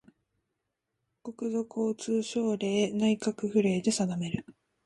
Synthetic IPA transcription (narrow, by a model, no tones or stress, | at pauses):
ko̞kɯ̟zo̞kːt͡sɨːɕo̞ːɾe̞ːnaikakɯ̟ɸɯ̟ɾe̞ːd̪e̞sad̪ame̞ɾɯ̟